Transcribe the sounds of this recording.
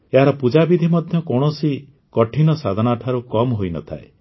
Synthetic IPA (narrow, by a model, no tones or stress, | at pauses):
eɦaɾɔpud͡ʒabid̪ʱimɔd̪ʱjɔkɔɽ̃ɔsi | kɔʈʰinɔsad̪ʱɔnaʈʰaɾukɔmɦojnɔ̰t̪ʰa̰ḛ